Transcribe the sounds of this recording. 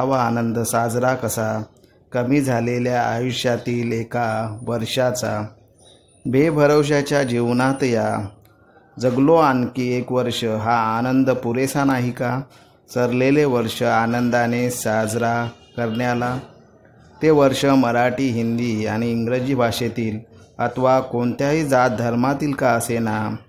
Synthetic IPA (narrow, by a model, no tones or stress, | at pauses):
aʋaːnənd̪əsad͡zɾakəsa | kəmiːd͡zʱaleljaa̰juɕjat̪iːlekaʋəɾʂat͡sa | bʱebʱəɾəwɕ̬at͡ɕjad͡ʑiʋnat̪ja | d͡zəɡloankiekʋəɾʂəɦaːnənd̪əpuɾesanaɦika | səɾleleʋəɾʂəanənd̪anesad͡zɾa | kəɾɳjala | t̪eʋəɾʂəməɾaʈiːɦind̪iːaɽ̃iːŋɡɾəd͡ʑiːbʱaʂet̪iːlət̪ʋakoɳt̪jaɦiːd͡zat̪̚d̪ʱəɾmat̪iːlkaəsena